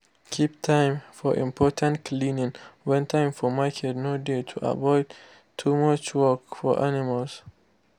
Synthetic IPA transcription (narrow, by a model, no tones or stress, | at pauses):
kʰip̚tʰãɪ̃mfɔʔḭ̃mpʰɔtʰãntkʰlĩnĩŋwɛ̃ntʰãɪ̃mfɔmakʰɛdnoditʰuʔa̰vɔɪd | tʰumʌt͡ʃwɔkfɔ̰ʔanimals